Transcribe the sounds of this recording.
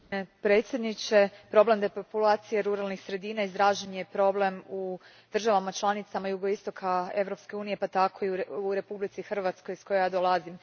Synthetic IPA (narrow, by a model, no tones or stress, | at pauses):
pɾe̞t̪sje̞d̪nit͡ʃe̞pɾo̞ble̞md̪e̞populaːt̪sije̞ɾuɾalˠnixsɾe̞d̪iːnaizd̪ɾaːʒeɲepɾo̞ble̞mu | d̪̥r̩ʒaʋamat͡ʃlˠanit̪samajuɡo̞ist̪o̞kʰae̞ʋɾo̞pske̞uːnije̞pat̪akʰo̞iɾe̞publit̪sixr̩ʋat̪sko̞jsko̞jjad̪olˠazim